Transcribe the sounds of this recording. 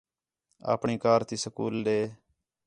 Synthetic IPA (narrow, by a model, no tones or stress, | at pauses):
a̰ːpɳiːkaːɾt̪iːsəkuːlɗ̪eː